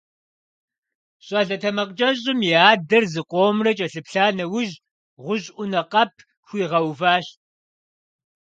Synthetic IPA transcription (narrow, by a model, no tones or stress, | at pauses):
ɕʼɐɮɐtʰɐmɐqt͡ʃʼɐɕʼɪmjiaːdɐrzɨqʷʼoːmrɐt͡ʃʼɐɬɨpɬaːnɐwʊʒ | ʁʷʊɕʼʷʊnɐqɐpʰ | xʷiːʁɐwvaːɕt̚